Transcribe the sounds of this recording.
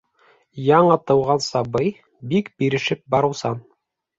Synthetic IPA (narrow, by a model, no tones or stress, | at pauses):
jɑɴɤt̪ɤ̆wʁɑnsɑbɤj | bikbiɾɘ̆ʃɘp̚bɑɾɤwsɑn